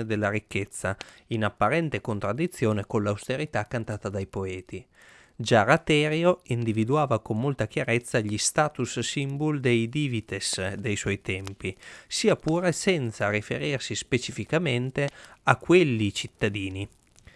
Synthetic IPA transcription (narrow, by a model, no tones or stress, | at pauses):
ed̪elːaɾikːet̪sːa̰inapːaɾɛnt̪ekont̪ɾad̪ːit̪sːjoːnekonlawst̪eɾit̪akːant̪aːt̪ad̪ajpoɛːt̪i | d͡ʒarat̪ɛːɾjoind̪ivid̪uaːvakomːolt̪ak̟jaɾet̪sːaʎist̪aːt̪ussimbold̪ejd̪iːvit̪esd̪ejswɔjt̪ɛmpisiːapuːɾesɛnt̪sarifḛɾirsispet͡ʃifikament̪eakːwelːit͡ʃit̪ːad̪iːni